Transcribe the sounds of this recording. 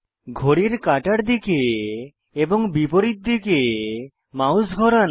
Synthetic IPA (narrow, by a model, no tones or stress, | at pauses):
ɡʱoɾiɾkaʈaɾd̪ikeː | bɔŋbipoɾit̪̚d̪ike | mawsɡʱɔɾan